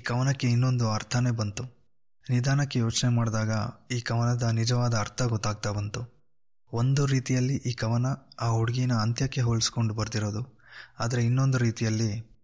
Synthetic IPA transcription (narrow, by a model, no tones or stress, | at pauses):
iːkɐʋɐnɐkːe̞inːo̞nd̪uɐɾt̪ʰɐne̞ːbɐnt̪u | nid̪aːnɐkːe̞joːt͡ʃnemaːɽd̪aːɡɐiːkɐʋɐnɐd̪ɐnid͡ʒɐʋaːd̪ɐːɾt̪ʰɐɡɔt̪ːaːɡ̚t̪aːbɐnt̪u | o̞nd̪uɾiːt̪ijɐlːiʔiːkɐʋɐnɐaːoɽɡijnɐːnt̪jɐkːe̞ɦoːɭisko̞ɳɖubɐɾd̪iɾo̞ːd̪uaːd̪ɐɾe̞inːo̞nd̪uɾiːt̪ijɐlːi